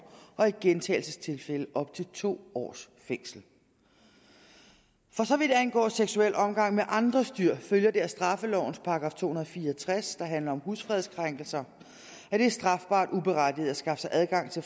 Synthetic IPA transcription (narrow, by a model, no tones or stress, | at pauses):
ʔɒ̽iɡ̥ent͡sʰɛ̰ːɪl̩səst͡sʰe̝lfeləʔɒ̽b̥̚t͡sʰe̝lt͡sʰo̝̰ːɒ̰ːs | feŋ̰sl̩ | fɒ̽sɒ̽ʋid̥ænɡ̥ɒ̰ːseɡ̥suel̰ɒ̽mɡ̥ɑ̈ŋ̰meʔɑ̈nd̥ʁɐsd̥yɐ̰føljɐd̥e̝æsd̥ʁɑ̈fəlɒʊn̩spʰɑ̈ɡ̥ʁɑ̰̈ːft͡sʰo̝̰ːhunɐð̩ˠfiːɐt͡sʰʁasd̥ɑ̈ɦænlɐɒ̽mhusfʁɛðˠskʰʁaŋ̰ɡ̥l̩sɐ | æɾ̥e̝æsd̥ʁɑ̈fb̥ɑ̰̈ːd̥ub̥e̝ʁad̥ið̩ˠæsɡ̥ɑ̈fəsɑ̈ɪʔæðˠɡ̥ɑ̈ŋ̰t͡sʰe̝